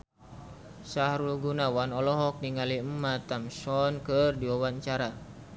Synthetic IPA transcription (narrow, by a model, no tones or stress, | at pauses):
sahɾulɡunawanɔlɔɦɔk̚niŋaliəmːat̪amsɔnkərdiwawaɲt͡ʃaɾa